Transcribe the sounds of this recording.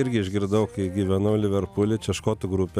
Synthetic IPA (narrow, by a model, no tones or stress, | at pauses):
ɪɾʲɡʲɪɪʒʲɡʲɪɾd̪ɐʊkiɡʲiːʋʲɛnoʊlʲɪʋʲɛɾpʊːlʲɪt͡ʃʲɛʃkoːt̪ʊɡɾʊpʲɛ